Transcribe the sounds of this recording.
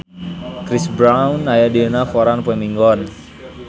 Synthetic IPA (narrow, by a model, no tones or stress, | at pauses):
kɾisbɾawnajadenafɔɾanpwɛmiŋɡɔn